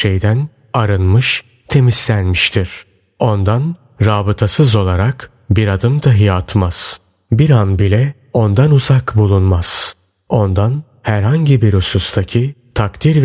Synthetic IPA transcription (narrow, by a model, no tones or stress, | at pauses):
ʃe̞jd̪æn | aɾɯnmɯʃ | t̪ʰe̞mislʲænmiʃt̪ʰiɾ̥ | o̞nd̪an | ɾaːbɯt̪ʰasɯzo̞lˠaɾak | biɾad̪ɯmd̪aɦijat̪ʰmaz̥ | biɾanbilʲɛ | o̞nd̪anuzakbulˠunmaz̥ | o̞nd̪an | hæɾɦaɲɟibiɾusust̪ʰacʰit̪ʰakt̪ʰiɾv